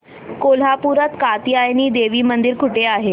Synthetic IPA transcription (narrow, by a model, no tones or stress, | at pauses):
kol̤ɦapuɾat̪kat̪iajniːd̪eʋiːmənd̪iɾkʰuʈeaɦe